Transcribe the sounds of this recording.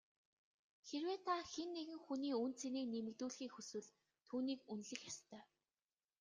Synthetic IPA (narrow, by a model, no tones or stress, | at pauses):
xerweːt̪ʰaxenːeɣɘ̆ŋxuniːunt͡sʰeniːnemɘ̆ɣt̪uːɮxiːkxɵswɘ̆ɮ | t̪ʰuːniːkunɮɘ̆xjast̪ʰœː